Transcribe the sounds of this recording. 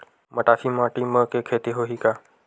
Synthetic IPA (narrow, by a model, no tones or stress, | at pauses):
mɐʈaːfimãːʈimə̃kekʰeːt̪eɦoːɦikaː